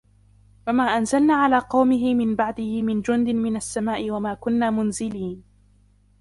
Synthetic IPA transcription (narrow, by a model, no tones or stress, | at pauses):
wamaːʔanzalnaːʕalaːqɑwmɪɦɪmɪnbaʕd̪ɪhɪmɪnd͡ʒʊnd̪ɪmɪnasːamaːʔɪwamaːkʊnːaːmʊnzɪliːn